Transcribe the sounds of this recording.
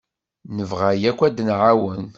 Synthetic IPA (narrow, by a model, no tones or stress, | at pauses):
nəvʁajækʷːæd̪nʕawən